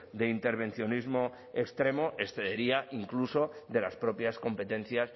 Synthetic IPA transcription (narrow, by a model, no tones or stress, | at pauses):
d̪e̞int̪e̞ɾβ̞ẽ̞nθjo̞nizmo̞ | ekst̪ɾe̞moʔe̞sθe̞ðeɾiaʔiŋklusoðe̞laspɾo̞pjasko̞mpe̞t̪ẽ̞nθjas